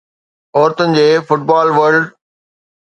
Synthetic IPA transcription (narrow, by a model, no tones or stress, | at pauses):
ɔːɾt̪ənɪ̆d͡ʑeːfʊʈ̚baːlʋəɾlɖ